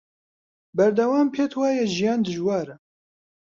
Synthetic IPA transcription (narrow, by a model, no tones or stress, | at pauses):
bæɾd̪ɐwaːmpʰeːt̪ʰwaːjɛʒijɑːnd̪ɨʒwɑːɾɛ